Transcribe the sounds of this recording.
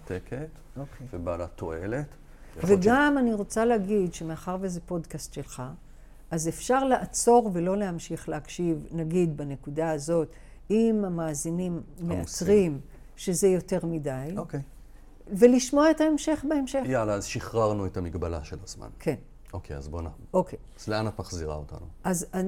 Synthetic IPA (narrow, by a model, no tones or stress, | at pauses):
tekʰet | okevebalato̰elet | veɡamaniʁo̞t͡salehaɡidʃeme̞aχaʁveezepo̞dkast̪ʃe̞lχa | azefʃaʁleʔat͡so̞ʁvelo̞le̞hamʃiχlehakʃivnaɡid̪bane̞kudaazo̞t | imamaːzinimːeut͡sʁim | ʃe̞ze̞jo̞te̞ʁmidajoke | ve̞liʃmo̞aetae̞mʃe̞χbaemʃejalaːzʃiχʁaʁnuethamiɡbala̰ʃelazma̰nkʰe̞n | o̞kʰeja̰zbona̰ʔokʰejzleanatmaχziʁa̰o̰ta̰nuʔaza